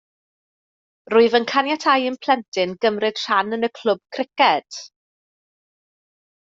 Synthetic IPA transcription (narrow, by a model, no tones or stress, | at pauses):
rʊɨvənkʰanjatʰajənpʰl̥ɛntʰɪnɡəmrɪd̥ʃanənəkʰl̥ʊb̥̚kʰrɪkɛd̥